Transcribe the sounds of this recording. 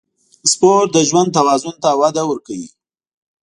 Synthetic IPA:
spoɾ̚d̪əʒwand̪̚t̪awɑzʊnt̪awad̪awəɾkawḭ

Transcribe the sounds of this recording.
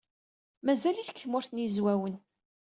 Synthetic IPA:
mæzæliθkːəmʊɾθnjizwæwən

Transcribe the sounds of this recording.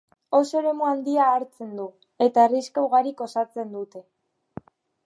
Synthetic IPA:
o̞so̞ɾe̞muand̪iaːɾt͡se̞nd̪u | e̞t̪aeriskawɣaɾiko̞sat͡se̞nd̪ut̪e̞

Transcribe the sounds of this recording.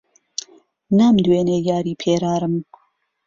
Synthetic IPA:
namd̪weːnejɑːɾiːpʰeːɾɑːɾɨm

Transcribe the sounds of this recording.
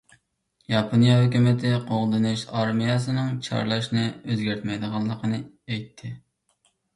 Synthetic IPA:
jɑpʰonijɑɦøkʲymɪt̪ʰɪqʰoʁd̪ɨnɨʃɑɾmijɑsɨnɪŋt͡ʃʰɑ̰ɾlˠɑʃnɪøzɡʲæɾt̪mɛjd̪əʁɑlˠːəqʰənɨ | ɛjt̪ʰːɪ

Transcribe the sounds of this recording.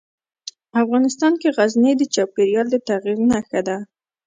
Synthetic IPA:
afɣɑnɪst̪ɑnkeɣazned̪ət͡ʃɑw̚keɾjɑld̪ət̪aɣiɾnaxad̪a

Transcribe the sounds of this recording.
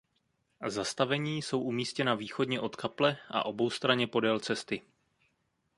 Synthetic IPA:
zast̪avɛɲiːso̞wʔumiːscɛnaviːxo̞dɲɛʔo̞t̪kʰaplɛʔa̰ʔo̞bo̞wst̪ɾaɲɛpo̞dɛlt͡sɛst̪ɪ

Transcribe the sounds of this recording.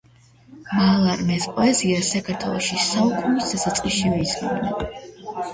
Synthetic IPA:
malˠamɛsqʼɔɛziasakʰaɾt̪ʰwɛ̰lˠɔʃisaukʼunisd̪asat̪sʼqʼiʃivɛizɡḭmna

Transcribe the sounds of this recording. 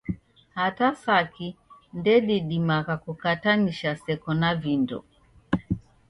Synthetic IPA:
hatasakindɛɗiɗimaɣakukataniʃasɛkɔnavindɔ̰

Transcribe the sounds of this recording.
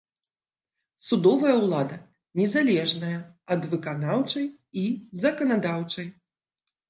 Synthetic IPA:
sud̪ɔvɐjɐwlˠad̪ɐ | nʲɛzalʲɛʐnɐjɐ | ɐd̪vɨkanawt͡ʂɐj | izɐkɐnad̪awt͡ʂɐj

